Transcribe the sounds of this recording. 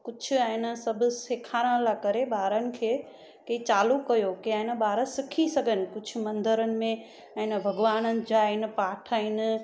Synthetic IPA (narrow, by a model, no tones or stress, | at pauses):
kʊt͡ʃʰʊ̆ɐ̃ːɪnəsɐbʱʊseːkʰaːɾə̃lakɐɾeɓaːɾənɪ̆kʰeː | kɐit͡ɕaːlukɐjokiãɪnəɓaːɾəsɪkʰisɐɡʱənɪ̆kʊd͡ʑʰʊ̆mɐ̃nd̪əɾənɪ̆mẽ | ɐ̃ːnbʱɐɡʋaːnənɪ̆d͡ʑaːɪn̆paːʈʰaːɪnɪ̆